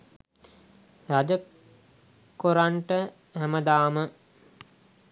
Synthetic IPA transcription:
ɾad͡ʒə | koɾaɳʈə | hæməd̪aːmə

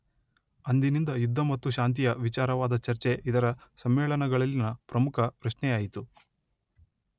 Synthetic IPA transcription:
ɐnd̪inind̪ɐjud̪ʱːɐmɐt̪ːuʃaːnt̪̬ijɐʋit͡ʃaːɾɐʋaːd̪ɐt͡ʃɐɾt͡ʃe̞id̪ɐɾɐsɐmːɛːɭɐnɐɡɐɭɐlːinɐpɾɐmukʰɐpɾɐʃɳɛjaːjit̪u

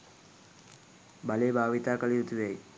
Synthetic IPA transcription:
baleːbʱaːʋit̪aːkəɭijut̪uʋaj

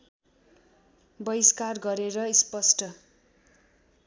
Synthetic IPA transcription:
bʌiskarɡʌɾeɾʌispʌsʈʌ

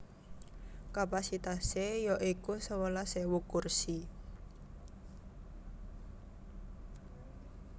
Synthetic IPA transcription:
kapasit̪asejɔʔikusəwəlasewukursi

